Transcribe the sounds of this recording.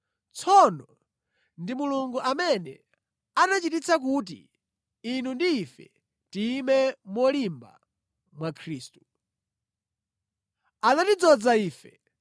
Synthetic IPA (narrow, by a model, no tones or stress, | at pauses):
t͡sʰɔnɔ | ndimuluŋɡuʔamɛnɛ̰ | anat͡ʃitit͡sak̬ut̬ḭː | nundiːfɛ | timɛmwɔlimba̰ | mwakʰɾiːstu̥ | anatid͡zɔd͡zaiːfɛ